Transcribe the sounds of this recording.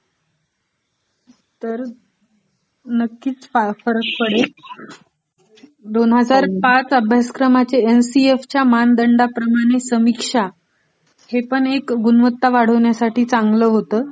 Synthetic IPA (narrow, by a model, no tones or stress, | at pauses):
t̪əɾ | nəkːiːt͡sfafəɾəkpəɽe | d̪onɦəd͡zaɾpat͡səbʱjasə̥kɾəmat͡seensieft͡ɕjamand̪əɳɖapɾəmaɽ̃esəmikʂa | hepəɳekɡunʋət̪ːaʋaɽ̤əʋɳjasaʈiːt͡saŋɡləːɦot̪əː